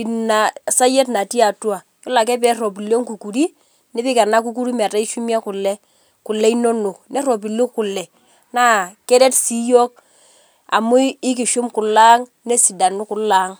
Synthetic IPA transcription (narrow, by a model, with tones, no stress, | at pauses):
i˨na˨sa˦je˦tna˨ti˦a˨twa˨ | jɔ˦la˨k̬ɛ˦pɛ˦ro˨pi˨ljo˦ŋku˨ku˨ɾi˦ | nɪ˦pɪ˦ka˨na˦k̬u˦k̬u˦ɾu˦m˨a˨ta˦i˦ʃu˦mi˦a˦kʊ˨lːɛ˦ | ku˨lɛ˦i˦no˦nu˨k̚ne˦ɾo˨p̬i˨lu˦kku˨lːɛ˨ | na˦kɛ˦ɾɛ˦tsi˦jo˦k̚ | a̰˨mu˦ɪ˦k̬ɪ˨ʃu˦mkʊ˨la˦ŋ | ne˦si˨da˨nʊ˦ku˨laː˦ŋ